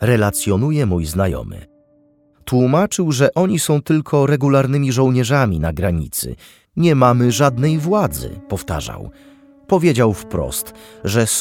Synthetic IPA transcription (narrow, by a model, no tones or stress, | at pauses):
ɾɛlat̪sʲjɔnujɛmujznajɔ̰mɘ̰ | t̪wumat͡ʂɘwʐɛʔɔɲisɔ̃w̃t̪ɘlkʰɔɾɛɡulaɾnɘmʲiʐɔ̃w̃ɲɛʐamʲinaɡɾaɲḭt̪sɘ̰ | ɲɛmamɘʐad̪nɛjvwad̪zɘ̰pɔft̪a̰ʐa̰w | pɔvʲjed͡ʑawfpɾɔ̰st̪ʐɛs